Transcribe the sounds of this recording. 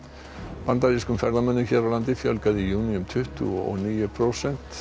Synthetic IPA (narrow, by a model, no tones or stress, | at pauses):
pant̪aɾiskʏmfɛɾðamœnːʏçɛːɾawlant̪ɪfjœlkaðɪjuːniʏmt̪ʰʏht̪ʏ̰ɔ̰ɣniːjʏpʰɾowsɛn̥t̪